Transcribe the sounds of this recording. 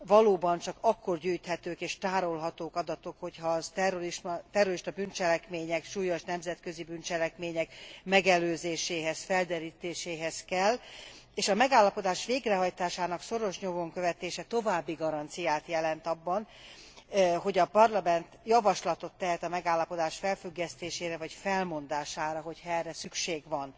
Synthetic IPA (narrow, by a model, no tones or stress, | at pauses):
vɒloːbɒnt͡ʃɒkɒkːo̞rɟyːjt̪hɛt̪øːkeːʃt̪aːɾo̞lɦɒt̪oːkɒd̪ɒt̪o̞kho̞chɒzt̪ɛroiʃt̪ɛroɾiʃt̪ɒbynt͡ʃɛlɛkmeːɲɛkʃuːjo̞ʃnɛmzɛt̪kø̞zibynt͡ʃɛlɛkmeːɲɛkmɛɡɛløːzeːʃeːɦɛsfɛld̪ɛɾiːt̪eːʃeːɦɛzkɛlː | eːʃɒmɛɡaːlːɒpo̞d̪aːʃʋeːɡrɛɦɒjt̪aːʃaːnɒkso̞ɾo̞ʃɲomo̞ŋkøvɛt̪eːʃɛt̪o̞vaːbːiɡɒɾɒnt̪sijaːt̪jɛlɛnt̪ɒbːɒn | ɦo̞ɟɒpɒrlɒmɛnt̪jɒvɒʃlɒt̪o̞t̪ːɛɦɛt̪ɒmɛɡaːlːɒpo̞d̪aːʃfɛlfyɡːɛst̪eːʃeːɾɛvɒcfɛlmo̞nd̪aːʃaːɾɒɦo̞chɒɛrːɛsykʃeːɡʋɒn